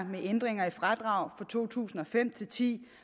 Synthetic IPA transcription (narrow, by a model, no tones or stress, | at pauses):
meʔend̥ʁeŋɐifʁad̥ʁɑ̈ʊ̰fɒ̽t͡sʰo̝̰ːt͡sʰṵːsn̩ɒ̽fem̰t͡sʰe̝lt͡sʰḭː